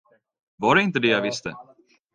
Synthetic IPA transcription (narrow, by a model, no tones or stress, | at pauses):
vɑɖɛɪnt̪̬əd̪ɛjavɪst̪ə̰